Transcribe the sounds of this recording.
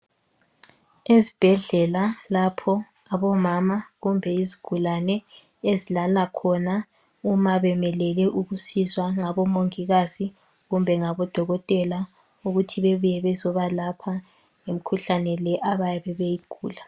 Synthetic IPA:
ezib̥ʱɛɮɛlalapʰɔ | aβɔmamaɣumbʱɛiziɡ̥ʱulanɛ | ezilalakʰɔna | umaβɛmɛlɛlɛʔuɣusizwaŋaβɔmoŋiɣazi | ɣumbʱɛŋaβɔd̥ʱɔɣɔtʼɛla | uɣutʰiβɛβujɛβɛzɔβalapʰa | ŋem̩kʰuɬanɛlɛʔaβajɛβɛβejiɡ̥ʱuːla

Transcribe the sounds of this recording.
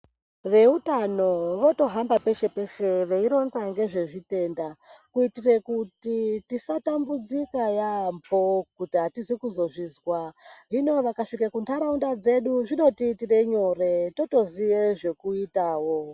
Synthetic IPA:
ʋe̞utano̞ʋo̞to̞ɦambape̞ʃe̞pe̞ʃe̞ʋeiɾo̞nraŋɡe̞ʐe̞ʐite̞ːndakuitirekutitisatambud͡zikajampo̞kutiɦatizikuzo̞ʐiːzwaɦino̞ʋakaʂikakuntʰaɾaundad͡ze̞ɗuʐino̞titire̞ɲo̞re̞to̞to̞ziʋeʐe̞kuitaːwo

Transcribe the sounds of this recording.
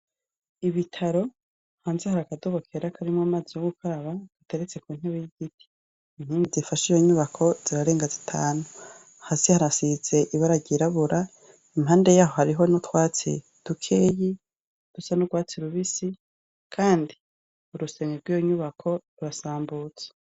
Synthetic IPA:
iβitʰaɾo̞ | haːnzehaɾakadoβo̞kʰeɾakʰaɾimŋamaːzijoɡukʰaɾaβad̥ute̞ɾet͡se̞kuːn̥heβejiɡ̥itʰi̥ː | m̥hiːndizifaʃijo̞ɲuβakʰo̞z̥iɾaɾe̞ːŋɡazitʰaːnu | hasihaɾasize̞ʔiβaɾaɟiɾaβuɾa | imɦaːnde̞jaːɦo̞ɦaɾiɦo̞notwaːt͡sḭ | d̥ukʰeːji | d̥usanuɡwaːt͡siɾuβisi | kʰaːndi | uɾuseŋeɾɡwiːjoɲuβakʰo̞ɾuɾasaːmbuːt͡se̥

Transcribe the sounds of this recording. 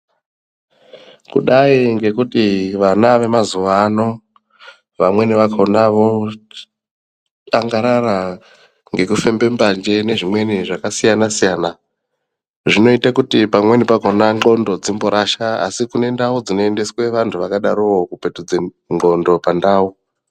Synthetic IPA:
kṵɗaiŋɡe̞kutiʋanaʋe̞mazuʋaːno̞ | ʋamwe̞niʋakʰonaʋo̞ | aŋɡaɾaɾa | ŋɡe̞kufe̞mbe̞mband͡ʒe̞ne̞ʐimwe̞niʐakasijanasijaːna | ʐino̞itakutipamwe̞nipakonao̞ndo̞d͡zimboɾaʃaa̰sikune̞ndaud͡zino̞ende̞swe̞ʋantʰuʋakaɗaɾuwo̞kupe̞tud͡ze | ŋ͡ǃo̞ndo̞pandaːu

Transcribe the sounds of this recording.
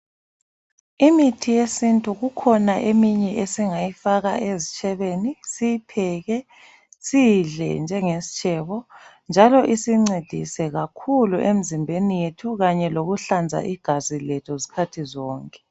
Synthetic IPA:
imitʰijesintʼuɣukʰɔnaʔemiɲɛʔesiŋajifaɣaʔezit͡ʃʼʰɛβenisijipʰɛɣɛ | siɮɛ̰nd͡ʒʱɛŋesi̥t͡ʃʼʰɛβɔ | nd͡ʒʱalɔʔisiŋ͡ǀed̥ʱḭsɛɣakʰuluʔem̩zimbʱenijetʰuɣaɲɛloɣuɬand͡zʱa̰ʔiɡ̥ʱazilɛtʰɔzi̥kʰatʰizɔːŋkʼɛ̥

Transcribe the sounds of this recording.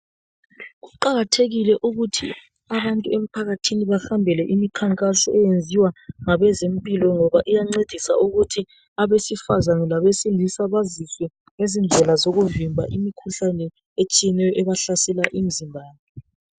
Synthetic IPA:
ɣuǃaɣatʰeɣilɛʔuɣutʰḭ | aβantʼuem̩pʰaɣatʰiniβaxambʱɛlɛʔimikʰaŋkʼasɔ̰ʔɛjend͡zʱiwaŋaβɛzempʼilɔŋɔβaʔijaŋ͡ǀed̥ʱisa̰ʔuɣutʰi | aβesifazanɛlaβesilisaβaziswɛ | ŋezind͡ɮʱɛlazoɣuvimbʱa̰ʔimikʰuɬanɛ | et͡ʃʼijɛnɛjɔʔɛβaɬasɛlaʔim̩zimbʱaːla

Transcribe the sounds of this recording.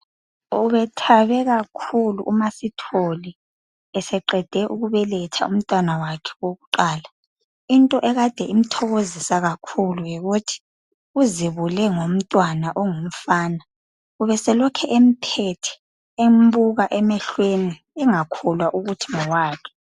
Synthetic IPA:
uβɛtʰaβɛɣakʰulṵʔːmasitʰoli | ɛsɛǃɛd̥ʱɛʔuɣuβɛlɛtʰa̰um̩tʼwanawakʰɛ̥woɣuǃaːla | intʼɔʔɛɣad̥ʱɛim̩tʰɔɣozisaɣakʰulujiɣutʰi̥ | uziβulɛŋom̩tʼwanaʔɔŋom̩faːna | uβɛsɛlɔkʰɛʔem̩pʰɛtʰɛ̥ | embuɣaʔɛmɛɬweni | ɛŋakʰɔlwaʔuɣutʰi̥ŋɔwaːkʰɛ̥

